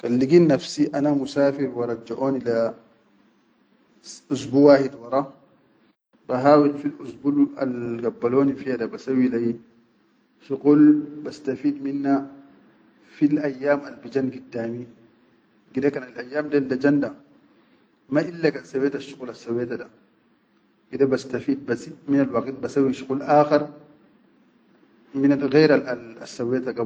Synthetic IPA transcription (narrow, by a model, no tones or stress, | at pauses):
kalːiɡiːnːafsiʔanamusaːfiɾwɑɾˤɑd͡ʒaʔoːnila | ʔusbuːwaːhidwɑɾˤɑ | baɦaːwilfilʔusbula̰lɡabːaloːnifijadabasawilaj | ʃuqulbɐst̪afiːdminːa | filʔajːaːmalbid͡ʒanɡidːaːmi | ɡidakanalʔajːaːmdaldad͡ʒanda | maʔilːakansaweːtaʃu̥qulasːaweːtada | ɡ̥idabast̪afiːd̪̚basiminalwaqit̪̚basawːiʃuqulʔaːxaɾ | minalɣɛːɾaaasːawetaɡa